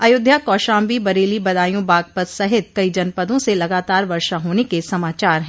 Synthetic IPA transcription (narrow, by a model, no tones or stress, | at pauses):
ɐjʊd̪ʱjakɔːʃãːmbibɐɾeːlibɐd̪aːjõbaːɡ̚pəd̪sɐɦɪt̪̚kɐid͡ʒɐnpəd̪õselɐɡaːt̪aːɾʋɐɾʃaɦoːnekesɐmaːt͡ʃaːɾɦɛ̃ː